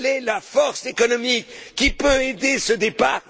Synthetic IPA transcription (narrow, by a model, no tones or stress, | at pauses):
lelafɔʁsekɔnɔmikkːipøed̪esəd̪epaʁ